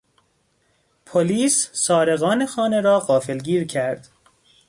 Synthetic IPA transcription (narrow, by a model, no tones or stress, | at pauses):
pʰoliːsːɒːɾeɣɒːne̞xɒːne̞ɾɒːɢɒːfe̞lɡiːɾcʰæɾd̪̥